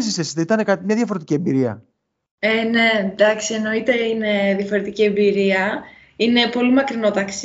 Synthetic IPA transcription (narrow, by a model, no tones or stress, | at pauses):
sisesit̪eit̪ɐnekɐt̪imɲɐðʝɐfo̞ɾe̞t̪icie̞mbiɾiɐ̰ | ene̞nd̪ɐksieno̞it̪e̞ine̞ðjɐfo̞ɾe̞t̪icie̞mbiɾiɐ | ine̞po̞limɐkɾino̞t̪ɐks